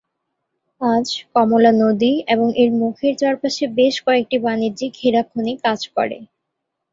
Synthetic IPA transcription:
ad͡ʑkɔmolanod̪ieboŋʔeɾmukʰeɾt͡ɕaɾpaʃebeʃkɔek̚ʈibaniɾd͡ʑikkʰiɾap̚ʰːonikad͡ʑkɔ̰ɾḛ

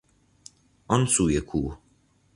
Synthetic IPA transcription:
ɔnsujekʰuː

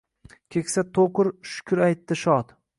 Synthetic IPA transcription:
kʲʰekʲsat̪ʰoqɨɾʃʊ̥kʲʰʊɾajt̪ːɪʃɒt̪

